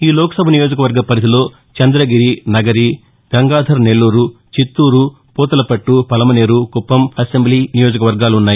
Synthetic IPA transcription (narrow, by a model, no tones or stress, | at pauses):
iːlɔːkɐ̥sɐbʱɐnijo̞ːd͡ʒɐkɐʋɐɾɡɐpɐɾit̪ilo̞ː | t͡ʃɐnd̪ɾɐɡiɾinɐɡɐɾi | ɡ̥ɐŋɡaːd̪ʱɐɾne̞lːuːɾu | t͡ʃit̪ːuːɾu | puːt̪ɐlɐpɐʈːupɐlɐmɐne̞ːɾukupːɐmɐse̞mbliːnijo̞ːd͡ʒɐkɐʋɐɾɡaːluunːaːji